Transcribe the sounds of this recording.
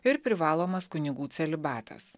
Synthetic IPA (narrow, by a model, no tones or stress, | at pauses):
ɪɾpʲɾʲɪʋɑːlˠoːmɐskʊnʲɪɡuːt̪sʲɛlʲɪbɑːt̪ʰɐ̰s